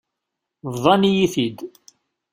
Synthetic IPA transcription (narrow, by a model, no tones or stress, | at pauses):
vðˤɑnijiθid̪